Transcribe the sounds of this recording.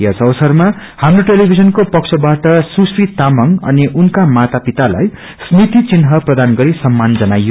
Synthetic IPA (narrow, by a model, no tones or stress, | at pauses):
at͡sʰʌʌwsʌrma | hamroʈelibʱid͡zʌnkopʌksʰʌbaʈʌsusit̪amʌŋʌ̰niʔunkamat̪apit̪ala̰j | snit̪it͡sinɦʌprʌd̪anɡʌɾisʌmːand͡zʌnajːo